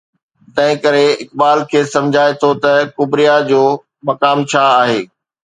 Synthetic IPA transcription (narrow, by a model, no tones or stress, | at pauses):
t̪ɐ̃ɦɪ̃kɐɾeɪkbaːlkʰeːsɐ̃md͡ʑʱaːet̪ʰot̪ɐkʊbɾijad͡ʑoː | mɐkaːmt͡ɕʰaaːɦeː